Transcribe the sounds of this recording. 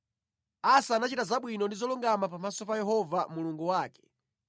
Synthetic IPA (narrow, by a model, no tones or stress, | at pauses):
asaːnat͡ʃitazaɓwinɔndizɔluŋɡamapamasɔpajɛɦɔvamuluŋɡuwaːkɛ̥